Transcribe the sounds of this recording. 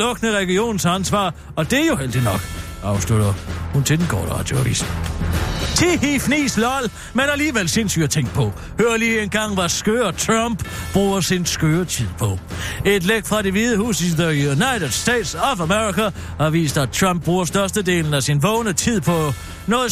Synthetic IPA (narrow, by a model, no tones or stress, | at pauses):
lɔ̽ɡ̥ənəʁɛɡ̥io̝̰ːn̩sænsʋɑ̰̈ː | ɒ̽d̥e̝æjo̝ɦel̰d̥inɒ̽ɡ̥ | ɑ̈ʊslud̥ɐhunt͡sʰe̝denɡ̥ʰɒ̰ːd̥əʁɑ̰̈ːd̥jo̝æʋḭːs | t͡sʰehifnḭːslɒl | menæliːʋel̰se̝nsy̰æt͡sʰeŋɡ̥̚pʰɒ̽ | høːɐliːenɡ̥ɑ̈ŋ̰ʋæsɡ̥øːɐt͡sʰʁɑmb̥b̥ʁuːɐsinsɡ̥øːɐt͡sʰið̰ˠpʰɒ̽e̝d̥leɡ̥fʁɑ̈ɾe̝ʋiðˠəhṵːsiðəjunɑ̈ɪɾəd̥sd̥ɛ̰ːd̥sɒfæmeʁikæ | ɑ̈ʋḭːsd̥æt͡sʰʁɑ̈mb̥̚ʁuːɐsd̥ɶɐsd̥əde̝̰ːln̩æsinʋɔʊnət͡sʰið̰ˠpʰɒ̽ | nɔ̽ːð̩ˠ